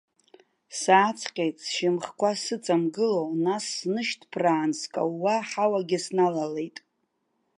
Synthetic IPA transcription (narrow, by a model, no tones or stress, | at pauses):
saːt͡sʰqʲʼejtʼsʃɪmχkʷasɨt͡sʼamɡɨlownasːnɨʃtʰʼpʰraːnskʼa̰wwaħawaɡʲɪsnalale̞jtʼ